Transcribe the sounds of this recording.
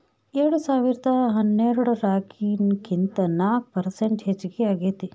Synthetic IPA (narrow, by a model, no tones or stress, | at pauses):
eɾɽusaːʋiɾɐd̪ɐɦɐnːeɾuɽɐɾaːkinkint̪ɐnaːk̚pɐɾseɳʈɦet͡ʃːiɡeaːɡeːt̪i